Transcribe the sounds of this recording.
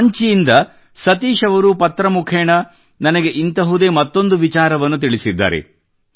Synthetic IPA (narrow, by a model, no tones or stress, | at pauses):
ɲt͡ʃijind̪ɐ | sɐt̪iːʃɐʋɐɾupɐt̪ːɾɐmukʰɛːɳɐ | nɐnɐɡe̞ʔint̪ɐɦud̪e̞ːmɐt̪ːo̞nd̪uʋit͡ʃaːɾɐʋɐnːut̪̬iɭisid̪ːa̰ːɾḛ